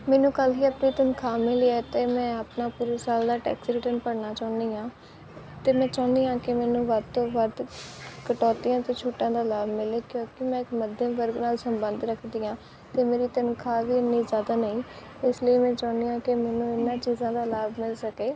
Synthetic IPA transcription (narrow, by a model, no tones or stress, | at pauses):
mɛːnũːkəlɦiːəpniːt̪ənkʰaːmɪleɛːt̪eːmɛ̃ːəpnaːpuːɾeːsaːld̪aːʈɛ̰ːksɾeʈənpəɽnaːt͡ʃaːʊnd̪iːãː | t̪eːmɛ̃ːt͡ʃaːʊnd̪iːãːkɪmɛːnũːʋəd̪̚t̪oːʋəd̪kəʈɔːt̪ijãːt̪eːt͡ʃʰoːʈːãːd̪aːlaːbmɪleːkjõːkɪmɛ̃ːɪkməd̪ʱẽːʋəɾɡnaːlsəmbə̃nd̪ɾəkʰd̪iːãː | t̪eːmeːɾiːt̪ənkʰaːʋiːɪnːiːzaːd̪aːnəĩː | ɪsləiːmɛ̃ːt͡ʃaːnd̪iːãːkɪmɛːnũːɪnːãːt͡ʃiːzãːd̪aːlaːbmɪlsəkeː